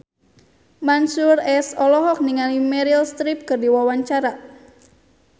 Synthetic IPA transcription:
mansurɛsɔlɔɦɔk̚niŋalimɛɾilst̪ɾip̚kərdiwawaɲt͡ʃaɾa

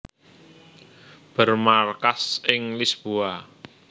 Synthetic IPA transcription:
b̥ərmarkasɪŋlisb̥oa

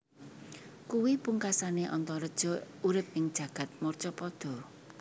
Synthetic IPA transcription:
kuwipuŋkasaneʔɔnt̪ɔɾəd̥ʒ̥ɔ̤ | uɾɪp̚ɪŋd̥ʒ̥ä̤ɡ̥ä̤t̪̚mɔrt͡ʃɔpɔd̪̥ɔ̤

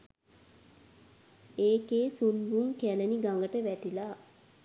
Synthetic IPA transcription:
eːkeːsunbuŋkæləniɡaŋɡəʈəʋæʈilaː

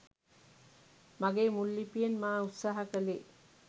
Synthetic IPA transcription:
maɡeːmulːipijenmaːut̪saːɦɐkəle

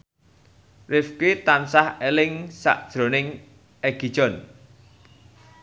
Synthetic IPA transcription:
rɪfkit̪ansahelɪŋsa̰ʔd̥ʒ̥ɾo̤nɪŋ | ɛɡ̥i̤̥ʒ̥ɔ̤n

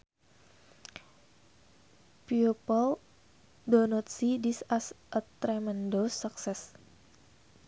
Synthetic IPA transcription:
piupəl | donɔt̪̚sidisasʔət̪ɾɛmɛndosaksɛs

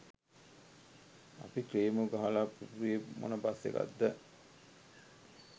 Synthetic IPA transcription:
a̰pikɾeːmuɡaɦalapuɾijemo̰nəbasːḛka̰d̪ːə

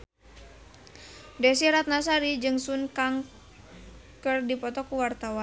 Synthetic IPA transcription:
dɛs̬iɾat̪̚nas̬aɾid͡ʒɨŋsunkaŋ | kərdipɔt̪ɔkuwart̪awan

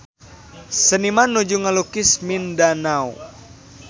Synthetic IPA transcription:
sənimanːud͡ʒuŋalukismindanau

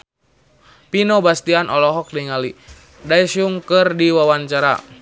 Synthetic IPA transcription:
pinɔbast̪ianʔɔlɔɦɔk̚diŋali | daisuŋkɨrdiwawaɲt͡ʃaɾa̰

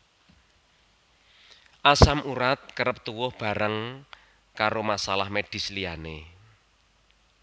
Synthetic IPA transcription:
ʔasamʔuɾat̪̚kəɾəp̚t̪uwʊhb̥a̤ɾəŋ | kaɾomasalahmed̥i̤slijane

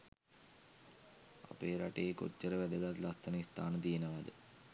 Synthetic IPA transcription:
a̰peːɾaʈeeko̰t͡ʃːəɾəʋæd̪əɡat̪last̪ənist̪aːnət̪ijenəʋad̪ə

